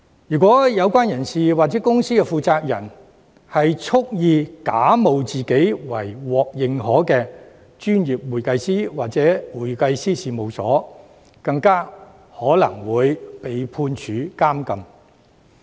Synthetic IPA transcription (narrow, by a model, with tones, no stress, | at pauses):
jyː˨˩kʷɔː˨˥jɐ˨˧wkʷaː˥njɐ˨˩nsiː˨waː˨k̚t͡sɛː˨˥kʊ˥ŋsiː˥kɛ˧fuː˨˧t͡saː˧k̚jɐ˨˩n | hɐ˨jt͡sʰʊ˥k̚jiː˧kaː˨˥mo˨wt͡siː˨ke˨˥jwɐ˨˩jwɔː˨k̚jɪ˨ŋhɔː˨˥kɛː˧ | t͡ʃyː˥njiː˨p̚wuː˨˩jkɐ˧jsiː˥waː˨t̚t͡sɛː˨˦˥wuː˨˩jkɐ˧jsiː˥siː˨mo˨wsɔ̰ː˨˥ | kɐ˧ŋkaː˥ | hɔː˨˥lɐ̰˨˩ŋwuː˨˧jpe˨jpʰuː˧nt͡ʃʰyː˨˧˥kaː˥mkɐ˨˧m